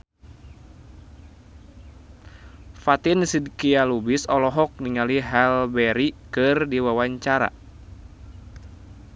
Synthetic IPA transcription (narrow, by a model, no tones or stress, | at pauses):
fat̪insidkialubisɔlɔɦɔk̚niŋaliɦɛlbɛɾikɨrdiwawaɲt͡ʃaɾa̰